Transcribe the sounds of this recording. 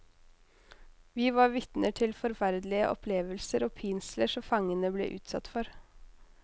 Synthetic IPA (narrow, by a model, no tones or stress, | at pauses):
ʋiːʋɑɾʋɪt̪nəʈʰɪlfɔɾfæɾd̪lɪə̰ʔɔ̰pʰleːʋəlsəɾoːpʰiːnsləʂɔmfɑŋːənəblḛːʔʉ̰ːt̪sɑ̰t̪ːfɔɾ